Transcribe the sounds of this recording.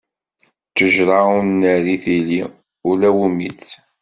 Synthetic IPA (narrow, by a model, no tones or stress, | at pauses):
t͡ʃːəʒɾˤaunnːəɾiθili | ulæwumiθ